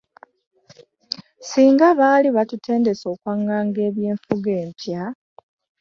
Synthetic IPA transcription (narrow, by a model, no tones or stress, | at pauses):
siːŋɡaβaːliβatutʰe̞ːnde̞so̞ːkwaŋːaːŋɡe̞ːβje̞ːɱfuɡe̞ːmpja